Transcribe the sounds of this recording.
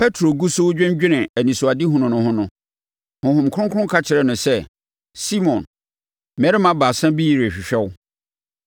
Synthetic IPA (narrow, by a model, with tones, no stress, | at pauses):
pʰɛ˦tʰɾo˨ɡu˦so˦wd͡ʑᶣɛ̃˦ɲ˦d͡ʑᶣɪ̃˦nɪ̃˨æ˨nĩ˨sʊ˨a˨di˦ɦʊ̃˨nʊ̃˨nʊ̃˦hʊ̃˦nʊ̃˨ | hʊ̃˨ɦʊ̃˨mkʰʊ˦ʊ̃˦ŋkʰʊ̃˦ŋkʰa˦t͡ɕʰɪ˨ɾɛ˦˨nʊ̃˨sɛ˦ | si˦mɔ̃˨n | mɛ˨˦ɾɪ˦mã˦baː˨sã˦bi˦ji˨ɾɕᶣɪ˨ɕᶣɛ˦w